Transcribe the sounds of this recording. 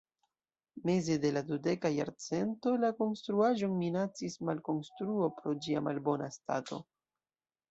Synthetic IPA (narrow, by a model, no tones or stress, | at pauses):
me̞ze̞de̞ladude̞kaja̰ɾt͡se̞nto̞lako̞nstɾuaʒo̞nminat͡sismalko̞nstɾuo̞pɾo̞d͡ʒiamalbo̞nasta̰to̞̰